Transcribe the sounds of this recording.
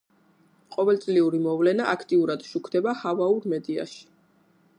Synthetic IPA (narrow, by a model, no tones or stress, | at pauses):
qʼɔvɛlt̪sʼliuɾimɔvlɛnaʔakʰt̪ʼiuɾad̪̥ʃukʰd̪ɛbahavauɾmɛd̪ia̰ʃi̥